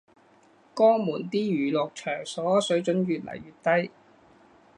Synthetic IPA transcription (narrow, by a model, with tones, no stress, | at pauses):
kɔː˥muː˨˩nt̪iː˥jyː˨˩lɔː˨k̚t͡ʃʰœː˨˩ŋsɔː˨˥sɵ˨˥ɥt͡ʃɵ˨˥nɥyː˨t̚lɐ̰˨˩jɥyː˨t̚t̪ɐ˥j